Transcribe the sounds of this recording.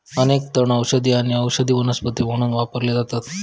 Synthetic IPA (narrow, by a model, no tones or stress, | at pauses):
ənek̚t̪əɳəwɕəd̪iːaɽ̃iəwɕəd̪iːʋənəspət̪im̤əɽ̃uːnʋapəɾled͡zat̪at̪